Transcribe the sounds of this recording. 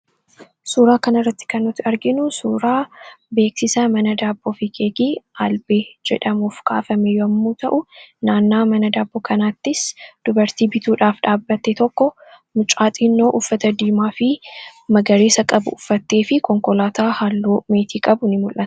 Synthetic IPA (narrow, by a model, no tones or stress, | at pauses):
suːɾaːkɐnɐrːɐt̪ːɪ̥kɐnːɔt̪ːɪɐɾɡɪnʊsuːɾaːbe̞ːksɪsɐmɐnɐd̪aːbːoːfɪkeːɡiʔaːlbeːd͡ʒɛ̰ᶑɐmuːfka̰ːfɐmɛjɔɐmːuːt̪ɐʔʊnaːnːaːmɐnɐd̪aːbːɔkɐnaːt̪ːɪsd̪̥ʊbɐɾt̪iːbɪt̪uːᶑaːfᶑaːbːɐt̪ːɛt̪ɔkːɔ | mʊt͡ʃʼaːt̪ʼiːnːoːʔʊfːɐt̪ɐd̪iːmaːfɪmɐɡɐɾeːsɐkʼɐbʊ̰ʊfːɐt̪ːe̞ːfɪkɔŋkɔlaːt̪aːhalːoːme̞ːt̪ʰiːkʼɐbʊnɪmʊlʔɐt̪ɐ̥